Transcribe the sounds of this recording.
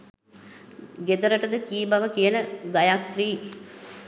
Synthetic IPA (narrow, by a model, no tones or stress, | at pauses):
ɡed̪əɾəʈəd̪əkiːbaʋəkijənəɡajak̚t̪riː